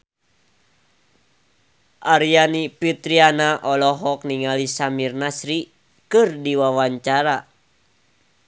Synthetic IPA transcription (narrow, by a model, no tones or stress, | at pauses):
ʔaɾianipit̪ɾianaʔɔlɔɦɔk̚niŋalisamirnasɾi | kɨrdiwawaɲt͡ʃaɾa